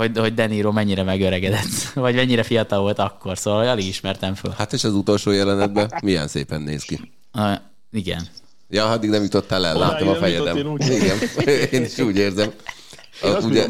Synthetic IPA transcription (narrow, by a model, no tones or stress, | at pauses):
ho̞ɟho̞ɟ̚d̪ɛniːɾoːmɛɲːiɾɛmɛɡøɾɛɡɛd̪ɛt̪ːvɒɟmɛɲːiɾɛfijɒt̪ɒlvo̞lt̪ɒkːo̞rsoːvɒlhoɒliɡiʃmɛrt̪ɛɱfø̰lhat̪eʃɛzut̪o̞lʃoːjɛlɛnɛd̪̚bɛmijɛ̰nsḛːpɛnːḛːski | iɡɛ̰n | jɒːɒd̪ːiɡnɛmjut̪ot̪ːalɛllːaːt̪omɒfɛjɛd̪ɛmiɡɛneːniʃuːɟeːrzɛm | ɒuːɛ